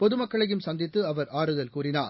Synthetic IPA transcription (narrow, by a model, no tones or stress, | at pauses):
pɔðɯmɐkːɐɭɐjɯmsɐnd̪ɪt̪ːɯɐʋɐɾaːɾɯðɐlkuːrɪnaː